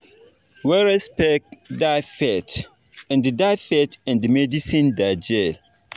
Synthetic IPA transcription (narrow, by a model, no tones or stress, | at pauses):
wɛɹɛspɛk̚dafɛt | ɛ̃ndɨdafɛtɛ̃ndɨmɛdisĩndad͡ʒɛ